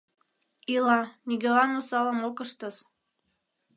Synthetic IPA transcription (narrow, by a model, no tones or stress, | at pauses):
ilɑnʲiɡɘlɑnusɑlɤ̆mokəʃt̪ɤ̆s